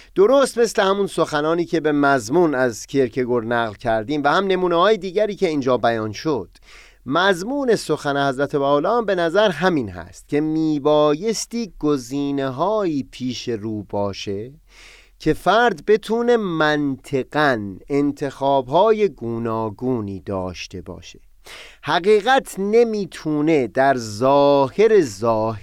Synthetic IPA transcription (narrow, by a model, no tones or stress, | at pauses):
d̪̥o̞ɾost̪me̞sle̞hæmunso̞xænɒːniːcʰe̞be̞mæzmuːnæzcʰeɾkʰe̞ɡoɾnæɣlcʰæɾd̪iːmvæhæmne̞muːnehɒːjed̪iːɟæɾiːce̞iːnd͡ʒɒːbæjɒːnʃo̞d̪̥ | mæzmuːne̞so̞xænehæzɾæt̪ʰe̞bæːolɒːmbe̞næzæɾɦæmiːnhæ̰st̪̚cʲʰe̞miːbɒːje̞st̪iːɡ̥oziːne̞ɦɒːiːpʰiːʃe̞ɾuːbɒːʃe̞ | cʰe̞fæɾd̪be̞t̪ʰuːne̞mænt̪ʰe̞ɡ̥æne̞nt̪ʰe̞xɒːbɦɒːje̞ɡuːnɒːɡuːniːd̪ɒːʃt̪ʰe̞bɒ̰ːʃe̥ | hæɣiːɣæt̪ʰne̞miːt̪ʰuːne̞d̪æɾzɒːhe̞ɾe̞zɒːhe